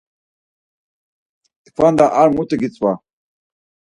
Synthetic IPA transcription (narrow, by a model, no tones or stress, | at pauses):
t̪kʰfand̪aʔaɾmut̪ʼəɡit͡sʼwa